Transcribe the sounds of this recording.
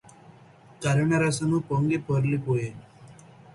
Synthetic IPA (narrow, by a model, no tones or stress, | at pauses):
kɐɾɐɳɐɾɐsɐmupoŋɡipoɾlipoːje